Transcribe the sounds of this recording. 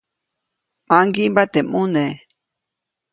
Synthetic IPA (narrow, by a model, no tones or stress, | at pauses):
maŋɡimbat̪emune